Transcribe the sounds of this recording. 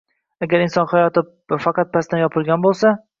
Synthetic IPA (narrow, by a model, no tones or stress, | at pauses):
aɡʲaɾɪnsɒnχajɒt̪ɪp̚ | fɑqɑt̪̚pʰast̪anjɒpʰɪlˠɡʲanbolˠsa